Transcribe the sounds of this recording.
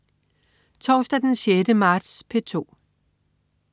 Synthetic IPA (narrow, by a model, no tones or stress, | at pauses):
t͡sʰɒːsd̥æd̥enɕedəmɑ̈ːd̥spʰe̝t͡sʰo̝̰ː